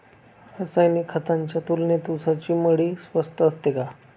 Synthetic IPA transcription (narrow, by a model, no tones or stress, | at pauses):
əsajnikʰːət̪aɲt͡ɕjat̪ulnet̪usat͡ɕiːməɽiːsʋəst̪əəst̪eka